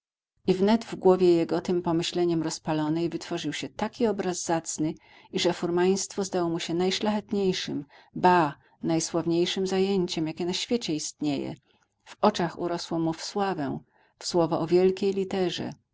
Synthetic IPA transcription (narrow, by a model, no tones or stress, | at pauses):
ivnɛd̪vɡwɔvʲjɛjɛɡɔt̪ɘmpɔmɘɕlɛɲɛmɾɔspalɔnɛjvɘt̪fɔʐɘwɕɛt̪akʲiɔbɾazːat̪snɘ | iʐɛfuɾmaj̃st̪fɔzd̪awɔmuɕɛnajʂlaxɛt̪ɲejʂɘmba | najswavɲejʂɘmzajeɲt͡ɕɛmjakʲɛnaɕfʲjet͡ɕɛist̪ɲejɛ̰ | v̥ɔt͡ʂaxṵɾɔswɔmufswavɛ̃ | fswɔvɔʔɔvʲjɛlkʲejlʲit̪ɛʐɛ̰